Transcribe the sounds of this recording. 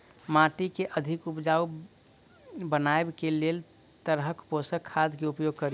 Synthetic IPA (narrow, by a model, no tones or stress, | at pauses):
mãʈikeʔəd̪ʱikupd͡ʒau | bənaebkelel | t̪əɾɦəkposəkʰːad̪keupjoɡ̚kəɾi